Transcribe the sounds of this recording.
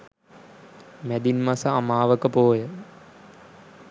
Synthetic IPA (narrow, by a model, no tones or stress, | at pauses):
mæd̪inmasəamaːʋəkəpoːjə